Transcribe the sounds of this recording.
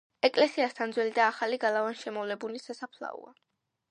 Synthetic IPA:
ɛkʼlɛsiast̪ʰand̪zwɛlid̪aːχaliɡalˠavanʃɛmɔvlɛbulisasapʰlˠa̰ṵa̰

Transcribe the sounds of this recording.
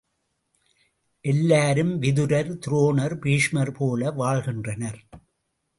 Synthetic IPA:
ʔɛlːaːɾɯmʋɪðɯɾɐɾt̪ɪɾoːnɐɾpiːʂmɐɾpoːlɐʋaːɭɣɪndrɐnɐɾ

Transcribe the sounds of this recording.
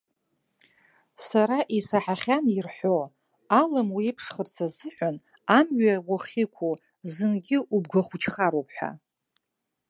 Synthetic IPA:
saɾaʔisaħaχʲanirħʷo | alɨmwiipʰʂχərt͡sʰazɨħʷan | amɥawaχʲikʷʰu | zɨnɡʲɪʔubɡʷaχʷut͡ʃʰχaɾowpʰħʷa̰

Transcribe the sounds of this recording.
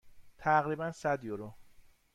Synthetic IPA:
t̪ʰæɣɾiːbænsæd̪joɾo

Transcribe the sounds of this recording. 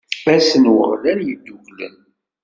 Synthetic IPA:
æsənwə̰ʁlæɾjəd̪ːuʝlə̰n

